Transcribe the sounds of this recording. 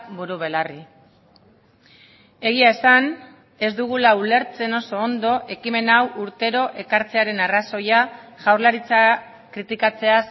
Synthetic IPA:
βuɾuβ̞e̞lari | e̞ɣ̞iae̞san | e̞zd̪uɣ̞ulaule̞ɾt͡se̞no̞so̞ːnd̪o̞ʔe̞kime̞nawʔuɾt̪e̞ɾo̞ʔe̞kaɾt͡se̞aɾe̞naraso̞jaʝawrlaɾit͡sa | kɾit̪ikat͡se̞as

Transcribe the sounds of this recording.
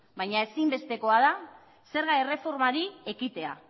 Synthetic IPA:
bajɲae̞simbe̞st̪e̞ko̞að̞a | se̞ɾɣajre̞fo̞ɾmaɾie̞kit̪e̞a̰

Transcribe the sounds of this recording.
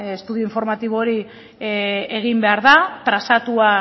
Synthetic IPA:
est̪uðioiɱfo̞ɾmat̪iβoɾi | e̞ɣ̞imbe̞aɾðat̪ɾasat̪ua

